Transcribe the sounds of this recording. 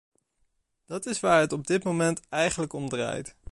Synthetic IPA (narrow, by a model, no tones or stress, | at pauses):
d̥ɑtɪsʋaːɹɦətɔb̚dɪtmowmɛntɛjχənləkɔmdra̰ːjt